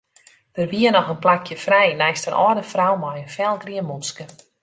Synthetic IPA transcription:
d̥ərʋiənɔxənplakʰjəfrɛjnɛjstənʔɔ̰ːdəfrawmɔjənfɛlˠɡriənmɔnskə

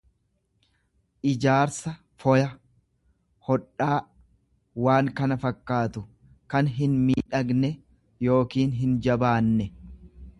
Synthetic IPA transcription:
ʔɪd͡ʒaːɾsɐ | fɔjɐ | hɔᶑːaː | waːŋkɐnɐfɐkːaːt̪ʊ | kɐnɦɪnmiːᶑɐɡnɛ | jo̞ːkiːnɦɪnd͡ʒɐbaːnːɛ

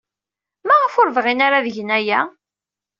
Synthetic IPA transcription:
maʁəfʊɾvʁinaɾaðəʝənæjæ

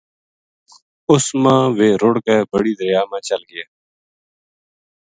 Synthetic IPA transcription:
ʊsmãːʋeːɾʊɽkeːbəɽiːd̪əɾjaːmãːt͡ʃəlɡɪjaː

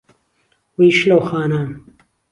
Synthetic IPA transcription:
wiʃlɐwxaːnam

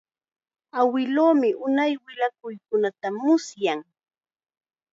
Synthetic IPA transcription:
awɪloːmɪʔʊnajwɪlak̚ʊjkʊnat̪amʊsjaŋ

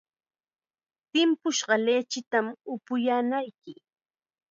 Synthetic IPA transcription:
t̪ɪmpʊʃɢɑleːt͡ʃɪt̪amʊpʊjaːnajkɪ

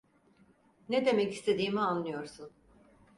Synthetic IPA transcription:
ned̪e̞mɛci̥st̪ʰe̞d̪iːmianlːˠɯjo̞ɾsun

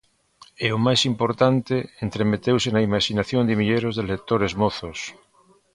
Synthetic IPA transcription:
eomajsimpoɾt̪ant̪eent̪ɾemet̪ewsenaimaʃinaθjond̪emiʎeɾozðelek̚t̪oɾezmoθos

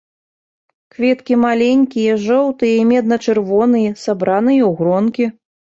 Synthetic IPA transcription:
kvʲɛt̪kʲimalʲenʲkʲijɐʐɔwt̪ɨjɐimʲɛd̪̚nɐt͡ʂɨrvɔnɨjɐsabɾanɨjɐwɣɾɔnkʲi

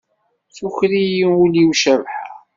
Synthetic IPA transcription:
θuçɾijiuliwʃəvħa̰

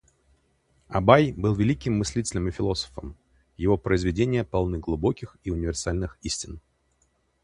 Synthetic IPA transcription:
ɐ̰bajbɨlˠvʲɪlʲikʲɪmːɨsʲlʲitʲɪlʲəmɨfʲɪlˠo̞sə̥fəm | jɪvo̞pɾəɪzvʲɪdʲenʲɪjəpɐlˠnɨɡlˠʊbo̞kʲɪxiʊnʲɪvʲɪrsalʲnɨxisʲtʲɪn

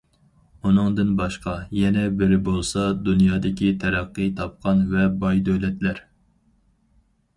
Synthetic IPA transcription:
unɨŋd̪ɨnbɑʃqɑjɛnɛbɪɾɪbolˠsɑd̪unjɑːd̪ɪkʲit̪ʰɛɾæqːɨt̪ʰɑp̚qʰɑnvɛbɑjd̪ølɛt̪læɾ

